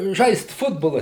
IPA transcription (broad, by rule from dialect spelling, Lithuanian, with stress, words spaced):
ˈʒɐɪst ˈfʊdboːlˠɐ